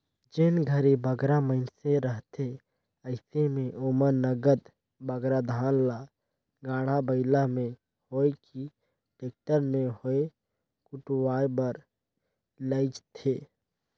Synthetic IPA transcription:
d͡ʒɪnɡʱəɾebəɡɾaməɪnseɾəɦt̪ʰe | əɪsemẽʔʊməɾnəɡəd̪ | bəɡɾad̪ʱaːnla | ɡaːɽ̤abəɪlamẽ | hoːeki | ʈeːk̚ʈəɾmẽhoe | kʊʈwaːjbəɾ | ləɪt͡ʃt̪ʰeː

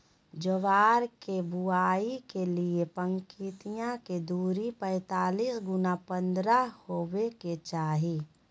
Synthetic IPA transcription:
d͡ʒəʋaːɾkebuaːikeliepə̃ŋkit̪ijãked̪uːɾipɛ̃ːt̪aːliːsɡʊnapə̃nd̪ɾahoːweket͡ʃaːɦi

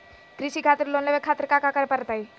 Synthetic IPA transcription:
kɾɪʃikʰaːt̪ɾloːnleʋekʰaːt̪ɾəkakakəɾepəɾət̪aːi

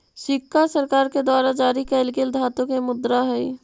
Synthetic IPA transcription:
sɪkːasəɾkaːɾked̪waːɾad͡ʒaːɾikɛːlkɪld̪ʱaːt̪õkemʊd̪ɾaɦɛi

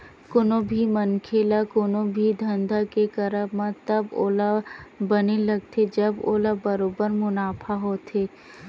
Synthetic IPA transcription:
kʊnobʱimɐnkʰeːlakonõbʱid̪ʱɐ̃nd̪ʱakekɐɾəbmãt̪ɐbo̰ːlabɐnelɐɡ̚t̪ʰed͡ʒɐbo̰ːlabɐɾoːbəɾmʊnaːpʰaɦoːt̪ʰeː

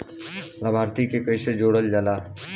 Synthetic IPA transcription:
ləbʱaːɾt̪ikekəɪsed͡ʒoːɽəld͡ʒəlaː

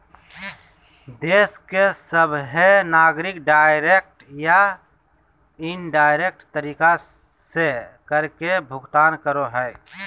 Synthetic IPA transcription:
d̪eːskesəbɦenaːɡɾɪkɖaːɪɾek̚ʈja | ɪnɖaːɪɾek̚ʈt̪əɾiːka | sekəɾkebʱʊɡt̪aːnkəɾoɦɛː

